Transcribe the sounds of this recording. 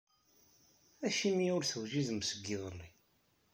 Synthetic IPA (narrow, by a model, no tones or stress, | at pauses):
æʃimiʊɾθəwʒizəmsəɡːiðˤəlːi